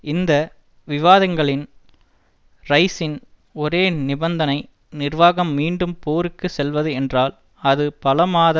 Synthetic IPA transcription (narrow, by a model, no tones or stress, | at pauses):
ɪnd̪ɐ | ʋɪʋaːðɐŋɡɐɭɪn | rɐɪsɪn | ɔɾeːnɪbɐnd̪ɐnɐɪ | nɪrʋaːɣɐmːiːɳɖɯmpoːɾɯkːɯsɛlʋɐðɯɛndraːl | ɐðɯpɐlɐmaːðɐ